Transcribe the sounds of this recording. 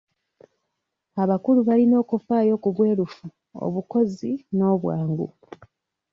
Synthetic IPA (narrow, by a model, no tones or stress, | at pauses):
aβakuluβalino̞ːkufaːjo̞ːkuβwe̞ːɾufu | o̰βuko̞zino̞ːβwaːŋɡṵ